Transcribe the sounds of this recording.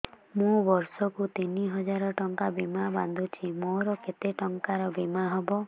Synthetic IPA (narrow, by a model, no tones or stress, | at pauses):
mũbɔɾsɔkut̪iniɦɔd͡ʒaɾɔʈɔŋkabimaba̰nd̪ʱut͡ʃʰimoɾɔket̪eʈɔŋkaɾɔbimaɦɔbɔ